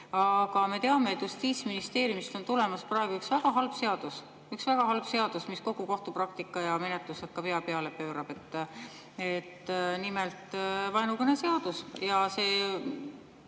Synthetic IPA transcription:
ɑɡ̥ɑme̞t̪e̞ɑme̞t̪ːjust̪iːt̪sminist̪e̞ːɾjumist̪o̞nt̪ule̞mɑsprɑeɡuyksvæɡ̥ɑɦɑlb̥se̞ɑd̪̥us | yksvæɡ̥ɑɦɑlb̥se̞ɑd̪̥usmisko̞ɡuko̞ht̪uprɑk̚t̪ikːˑɑjɑme̞net̪luset̪̚kɑpe̞ɑpe̞ɑle̞pøːɾɑb̥e̞t̪ːˑ | et̪ːnimelt̪ˑvɑjnukɤnese̞ɑd̪̥usjɑse̞ː

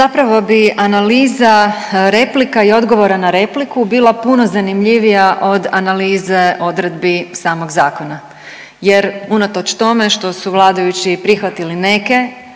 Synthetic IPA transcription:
zapɾaʋo̞biʔanaliːzaɾe̞plikaio̞d̪ɡo̞ʋo̞ɾanaɾe̞plikubiːlˠapuno̞zanimʎiʋijaʔo̞d̪analiːze̞o̞d̪ɾe̞d̪bisaːmo̞ɡzaːko̞na | je̞ɾunat̪o̞t͡ʃt̪o̞me̞ʃt̪o̞suʋlˠaːd̪ajut͡ɕipɾixʋat̪iline̞ke̞

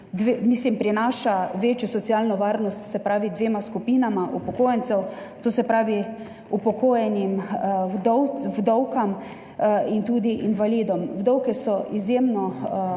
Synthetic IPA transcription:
d̪ʋemislimpɾinaːʃaʋeːt͡ʃjɔsɔt̪sijalnɔʋaɾnɔst̪sɛpɾaːʋid̪ʋeːmaskupiːnamaʔupɔkoːjɛnt͡s̪ɛwt̪oːsɛpɾaːʋi | upɔkʰoːjɛnimd̪ɔwwd̪ɔwkam | int̪uːd̪iʔinʋalid̪ɔmwd̪ɔwkɛsɔʔizjeːmnɔ

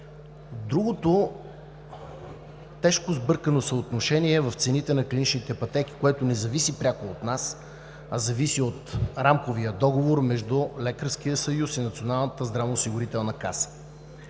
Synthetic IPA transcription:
d̪ɾuɡot̪o | t̪ɛʃkozbɤɾkənosəot̪noʃɛniɛvɐft̪sɛnit̪ɛnɐklʲinit͡ʃnit̪ɛpɐt̪ɛk̟i̥koɛt̪onɛzɐvisipɾʲakoːt̪nas | ɐzɐvisiot̪ɾamkoviəd̪ɔɡovoɾmɛʒd̪ʊlɛkəɾskijəsɐjusinɐt̪sionalˠnət̪əzd̪ɾavnosiɡʊɾit̪ɛlˠnɐkasə̥

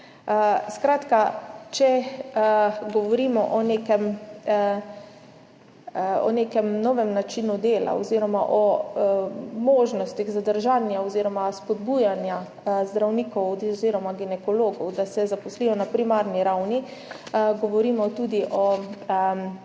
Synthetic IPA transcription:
skɾaːt̪kat͡ʃɛ | ɡɔʋɔɾiːmɔʔɔnekɛm | ɔ̰neːkɛmnɔʋɛmnat͡ʃinud̪eːla̰ɔziɾɔmaʔɔ | moːʒnɔst̪iɣzad̪əɾʒaːnjaɔziːɾɔmaspɔd̪buːjanja | zd̪ɾawnikɔwziːɾɔmaɡinɛkɔloːɡɔwd̪asɛzapɔsliːjɔnapɾimaːɾniɾawni | ɡɔʋɔɾiːmɔt̪uːd̪iʔɔ

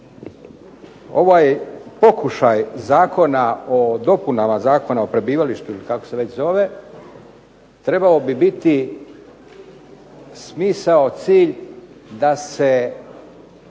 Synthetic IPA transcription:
o̞̰ʋajpo̞kuʃajzaːko̞naod̪o̞punamazaːko̞nao̞pɾe̞biːʋaliʃt̪uilikakose̞ʋet͡ɕzo̞ʋe̞ | t̪ɾe̞baobibit̪i | smiːsao̞t̪siːʎd̪ase

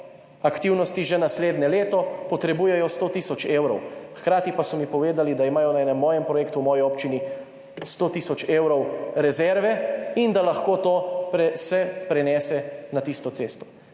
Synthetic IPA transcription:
akt̪iwnɔst̪iʒɛnasleːd̪nɛleːt̪ɔpɔt̪ɾɛbuːjɛjɔst̪oːt̪iːsɔt͡ʃeːwɾɔwxkɾaːt̪ipasɔmipɔʋeːd̪alid̪aimaːjɔnaɛːnɛmːɔːjɛmpɾɔjeːkt̪uwmɔːjiɔːpt͡ʃini | st̪oːt̪iːsɔt͡ʃeːwɾɔwɾɛzɛɾʋɛind̪alaxkoːt̪oːpɾɛsɛpɾɛnɛːsɛnat̪ist̪ɔt̪seːst̪ɔ̥

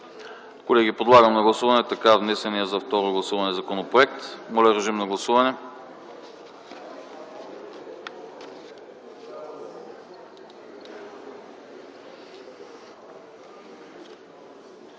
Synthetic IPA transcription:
kolɛɡ̟ipod̪lˠaɡəmnɐɡlˠɐsuvɐnɛt̪ɐkavnɛsɛniəzɐft̪ɔɾoɡlˠɐsuvɐnɛzɐkonopɾoʊɛk̚t̪molʲɛɾɛʒimnɐɡlˠɐsuvɐnɛ

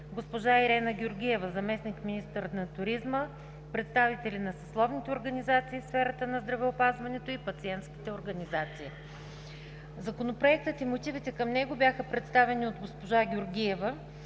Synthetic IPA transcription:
ɡospoʒaiɾɛnəɡʲʊɾɡʲiɛvəzɐmɛsnikminist̪əɾnɐt̪ʊɾizmə | pɾɛt̪st̪avit̪ɛlinɐsɐslˠɔvnit̪ɛoɾɡɐnizat̪siːfsfɛɾət̪ənɐzd̪ɾɐvɛopazvɐnɛt̪oipɐt̪siɛnt̪skʲi̥t̪ɛoɾɡɐnizat̪siː | zɐkonopɾoɛk̚t̪ət̪imot̪ivit̪ɛkəmnɛɡobʲjaxəpɾɛt̪st̪avɛniod̪ɡospoʒaɡʲʊɾɡʲiɛvə

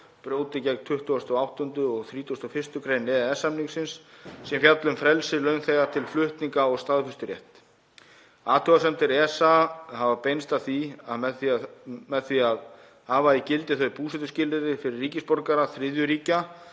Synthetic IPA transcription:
pɾoːwt̪ɪcɛk̪t̪ʰʏht̪uast̪ɔɣawht̪ɔnt̪ʏɔɣθɾiːt̪ʰuast̪ɔfɪst̪ʏkʰɾejnɪɛsamniŋksɪnsːɛmfjat̪lʏmfɾɛlsɪlœɥnθɛɣaɾt̪ʰɪlflʏht̪niŋkaɔɣst̪aːðfʏst̪ʏɾjɛ̰ht̪ | aːt̪ʰʏɣasɛmt̪ɪɾɛsahavapejnst̪aθiamɛðθiamɛðθviað | haːvaicɪlt̪ɪθœɥpuːsɛt̪ʏscɪlɪɾɪfɪɾɪrːiːcɪspɔɾkaɾaθɾɪðjʏɾiːca

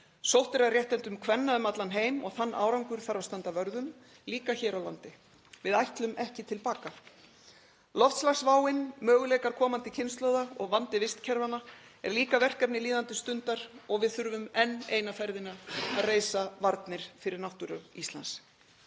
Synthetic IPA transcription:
sowht̪ɪɛɾaðrjɛht̪ɛnt̪ʏmkʰvɛnːaʏmat̪lanɦeːjmɔ̰ɣθanːʔa̰ːwɾawŋkʏɾ̥θaɾawst̪ant̪avœɾðʏm | liːkaçɛːɾawlant̪ɪ | vɪðajht̪lʏmɛhcɪt̪ʰɪlpaːka | lɔft̪slaxsvaːwɪnmœːɣʏlɛjkaɾkʰɔːmant̪ɪcʰɪnst̪loːwðaɔɣvant̪ɪvɪst̪cʰɛɾvanːa | ɛ̰ɾliːkavɛr̥kɛpnɪliːðant̪ɪst̪ʏnt̪aɾɔɣvɪðθʏɾvʏmɛnːeːjnafɛɾðɪnaaðreːjsavaɾt̪nɪɾ̥fɪɾɪɾnaht̪ʏɾʏist̪la̰ns

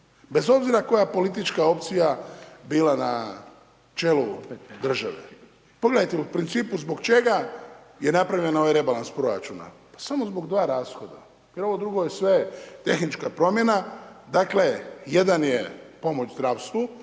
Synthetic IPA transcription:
be̞zo̞bziɾako̞japo̞lit̪̬it͡ʃkao̞pt̪sijabiːlana | t͡ʃe̞lud̪r̩ʒa̰ʋḛ | po̞ɡle̞d̪ajt̪eupɾint̪siːpuzbo̞kt͡ʃe̞ɡa | je̞napɾaʋʎe̞no̞ʋajɾe̞balanspɾo̞ɾa̰t͡ʃuna̰pḁsamo̞zbo̞ɡd̪ʋaːɾaːsxo̞d̪a̰ | pəɾʋo̞d̪ɾuɡojesʋe̞t̪e̞xnit͡ʃkapɾo̞mje̞nad̪akle̞je̞d̪anje̞po̞mot͡ʃzd̪ɾaːʋst̪ʋu

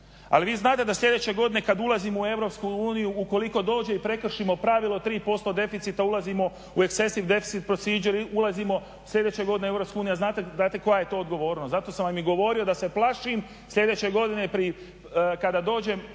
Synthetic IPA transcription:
a̰liʋiːznaːt̪ed̪aslʎʲe̞d̪et͡ɕe̞ɡo̞d̪ine̞kad̪ulˠazimoue̞ʋɾo̞pskuuːnijuuko̞liko̞d̪o̞ːd͡ʒe̞ipɾe̞kr̩ʃimo̞pɾaʋilˠo̞t̪ɾiːpo̞st̪o̞d̪e̞fit̪sit̪aulazimo̞ | uekse̞siʋd̪e̞fi̥sit̪̚pɾosiːd͡ʒeɾiulˠazimo̞ | slʎʲe̞d̪et͡ɕe̞ɡo̞d̪inee̞ʋɾopskeuːnijaznaːt̪ezaːt̪eko̞jaje̞t̪o̞ːd̪ɡo̞ʋo̞ːɾnozat̪o̞samʋamiɡo̞ʋo̞ːɾio̞d̪ase̞plˠaʃim | sʎʲe̞d̪e̞t͡ɕe̞ɡo̞d̪inepɾi | kad̪aːd̪o̞ːd͡ʑe̞m

